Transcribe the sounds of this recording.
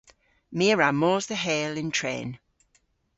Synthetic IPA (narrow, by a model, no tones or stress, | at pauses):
miːɹamɔːzðəɦɛːlɪntʰɹɛ̰ːn